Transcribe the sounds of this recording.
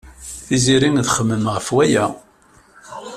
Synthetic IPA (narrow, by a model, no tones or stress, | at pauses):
θiziɾinðχəmːəmʁəfwæjæ